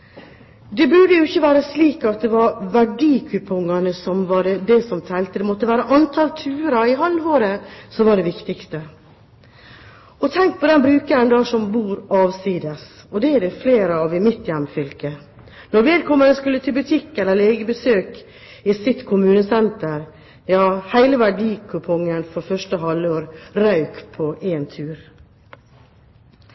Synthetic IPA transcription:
d̪ɛbʉɖ̪əjʊɪçːəʋæːɾəsliːkɑt̪̚d̪ɛʋɑɾʋæɖiːkʰʉpʰʊŋːɑnəsɔmʋɑɾd̪ɛsɔmt̪ʰɛlt̪əd̪ɛmɔt̪ːəʋæːɾəʔɑnt̪ʰɑlt̪ʰʉːɾɑɪɦɑlːhoːɾəsɔmʋɑɖɛʋɪkt̪ɪkst̪ə | ɔt̪ʰɛŋk̚pʰɔd̪ɛnbɾʉːkəɾənd̪ɑːsɔmbuːɾɑːʋsiːd̪əs | ɔd̪ɛɛɖɛfleːɾəɑʋɪmɪt̪jɛmːfʏlkə | nɔɾʋɛːlkʰɔmːəd̪ɛskʉlːət̪ʰɪlbʉt̪ʰɪkːɛlːəɾleːɡəbəsøːk | ɪsɪt̪kʰʊmʉːnəsɛnt̪əɾ | jɑːhæɪləʋæɖiːkʰʉpʰɔŋːənfɔɾfœʂʈəɦɑlːoːɾɾɑʉkpʰɔʔeːnt̪ʰʉːɾ

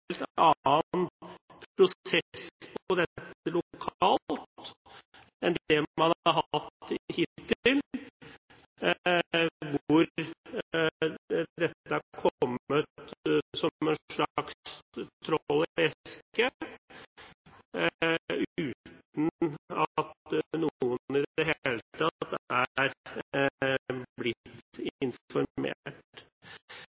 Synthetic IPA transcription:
elt̪ɑːnpʰɾʊsɛspʰɔd̪ɛt̪ːəlʊkʰɑːlt̪ | ɛnd̪ɛmɑnɑɾɦɑt̪hɪt̪ːɪl | ʋʊɾ | d̪ɛt̪ːəækʰɔmːət̪sɔmɛnʂɭɑkst̪ʰɾɔlːɪʋɛskə | ʉːt̪nɑt̪nuːənɪd̪ɛɦeːlət̪ʰɑt̪ːæɾ | blɪt̪ɪnfɔɾmḛːʈ

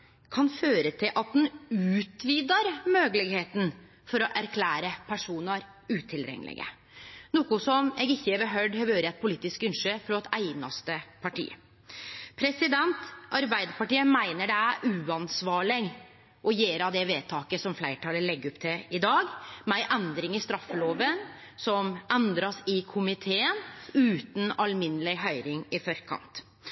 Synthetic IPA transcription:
kʰɑnføːɾət̪ʰɪlʔɑt̪̚d̪ɛnʉːt̪ʋiːd̪ɑɾmøːɡəlɪɡheːt̪n̩ | fɔɾɔʔæɾkʰlæːɾəpʰæʂuːnɑɾ | ʉːt̪ʰɪlɾɛ̰ŋ̰ːlɪ̰ɡə̰ | nuːkʊsɔmɛːɡɪçːəɛʋəɦœɖhœʋøːɾəɛt̪̚pʰʊliːt̪ːɪskʉnʂøːfɾɔt̪æɪnɑ̰st̪əpʰɑʈḭːə̰ | pʰɾɛsɪd̪ɛnt̪ʔɑɾbæɪd̪əɾpɑʈiːəmæɪnəɖɛæɾʔʉːɑnsʋɑːɭɪŋ | ʔɔjeːɾɑʋd̪ɛʋeːt̪ʰɑːkəsɔmflæɪʈʰɑːləlɛɡːɔpt̪ʰɪlɪd̪ɑːɡmæɪʔɛnd̪ɾɪŋɪst̪ɾɑfːəloːʋən | sɔmʔɛnd̪ɾɑsɪkʰʊmɪt̪ʰeːənʉːt̪n̩ɑlmɪnəlɪɦœʏɾɪŋɪfɔɾkʰɑ̰nt̪

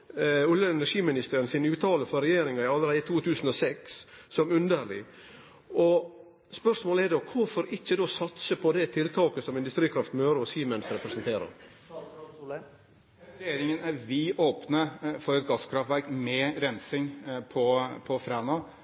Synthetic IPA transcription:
ʊljəɛnæʂiːmɪnɪst̪əɾənsɪnʉːt̪ʰɑːləfɔɾɛjeːɾɪŋɑɪɑləɾæɪt̪ʰuːt̪ʰʉːsn̩ɔsɛksːɔmʉnd̪əɾɭɪ̰ | ɔ | spœʂmoːləɛɾd̪okʰʊɾfɔɾɪçːəd̪oːsɑt̪səpʰɔd̪ɛt̪ʰɪlt̪ʰɑːkəsɔmɪnd̪ʉst̪ɾiːkʰɾɑft̪møːɾɔsiːmənsɾɛpɾɛsənt̪ʰeːɾə̰ɾ | jeːɾɪŋənæʋɪʔoːpnəfɔɾɛt̪̚ɡɑskʰɾɑft̪ʋæɾkmɛɾɛnsɪŋpʰɔpʰɔfɾæːnɑ

